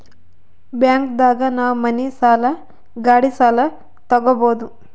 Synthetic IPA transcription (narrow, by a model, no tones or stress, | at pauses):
bjaːŋkd̪aːɡɐnaːwmɐnisaːlɐ | ɡaːɽisaːlɐ | t̪ɐɡɔboːd̪u